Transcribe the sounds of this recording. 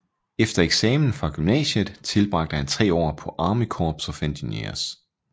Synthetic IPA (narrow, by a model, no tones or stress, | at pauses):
efd̥ɐeɡ̥sɛːmn̩fʁɑ̈ɡ̥ymnɛ̰ːɕəð̩ˠt͡sʰe̝lb̥ʁɑ̈ɡ̥̚d̥əhænt͡sʰʁɛ̰ːɒ̰ːpʰɒ̽ʔɑ̈ːməkʰɒ̰ːb̥sɒ̽fend̥inḛɐs